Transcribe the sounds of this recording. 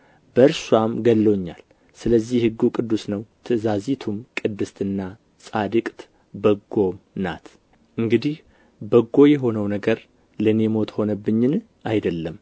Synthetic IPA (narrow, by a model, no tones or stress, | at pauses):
bəɾswamɡəlːoɲːa̰l | sɨləzːihhɨɡːukʼɨd̪ːusnəwt̪ʰɨzazit̪ʰumkʼɨd̪ːɨst̪ʰɨnːa | sʼad̪ɨkʼt̪ | bəɡːo̞mna̰t̪ | ʔɨŋɡɨd̪ih | bəɡːo̞jɛɦo̞nəwnəɡəɾ | ləne̞mo̞t̪ho̞nəbːɨɲːɪn | ʔajd̪əlːəm